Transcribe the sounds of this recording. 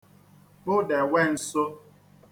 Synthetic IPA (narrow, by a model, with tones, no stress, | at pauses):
bʊ˦dɛ˨wɛ˦n̩˨so˦